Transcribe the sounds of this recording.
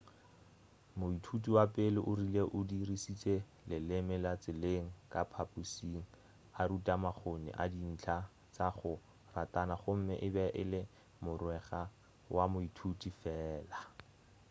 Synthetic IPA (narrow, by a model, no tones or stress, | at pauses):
mʊitʰutʼiwapʼɪlɪʔʊrileʔʊdirisit͡sʼe | lɪlɪmɪlat͡sɪleŋ̩kʼapʰapʼusiŋ̩ | aɾutʼamaχonɪ̰ʔa̰din̩t͡ɬʰa | t͡saχʊ | ratʼanaχʊm̩mɪ̰ʔɪbɛʔɪlɪ | mʊrwɛχa | wʔamʊitʰutʼifɛːla